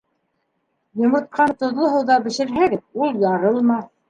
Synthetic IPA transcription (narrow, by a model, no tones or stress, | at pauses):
jŏmɤ̆t̪̚qɑnt̪ŏðlˠŏɦɤ̆wðɑbɘ̆ʃɘ̆ɾɦæɡɘðulˠjɑɾɤlˠmɑ